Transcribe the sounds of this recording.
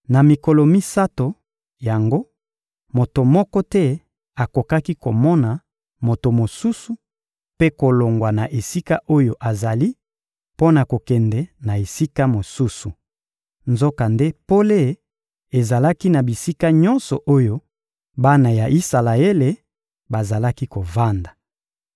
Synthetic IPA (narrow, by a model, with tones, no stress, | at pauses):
na˨mi˨ko˨lɔ˨mi˦sa˦to˨ | ja˨ŋɡo˦ | mo˨to˨mɔ˦kɔ˦tɛ˦ | a˨ko˨ka˦ki˦ko˨mɔ˦na˨ | mo˨to˨mo˨su˦su˨ | pe˦ko˨lo˨ŋɡwa˨na˨ʔe˨si˦ka˦ʔo˦jo˨ʔa˨za˨li˦ | po˦na˨ko˨kɛ˨ndɛ˨na˨e˨si˦ka˦mo˨su˦su˨ | nzo˦ka˨nde˦po˦le˦ | e˨za˨la˦ki˦na˨bi˨si˦ka˦ɲɔ˦nsɔ˨ʔo˦jo˦ | ba˦na˨ja˨ʔi˦sa˨la˨e˦le˨ | ba˨za˨la˦ki˦ko˨va˦nda˨